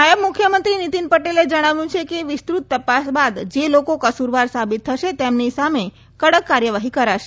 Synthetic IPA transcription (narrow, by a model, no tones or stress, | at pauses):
najəbmukʰjəmənt̪ɾinit̪inpəʈeled͡ʒəɽ̃aʋjũt͡ʃʰekeʋɪst̪ɾut̪ːəpasbad̪d͡ʒelokokəsuɾʋaɾsabit̪ʰːəʃet̪emnisame | kəɽəkːaɾjəʋaɦikəɾaʃe